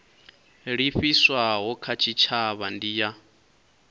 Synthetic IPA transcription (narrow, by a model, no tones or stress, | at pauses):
ɺiɸiswaɦɔkʰat͡ʃʰit͡ʃʰaβandija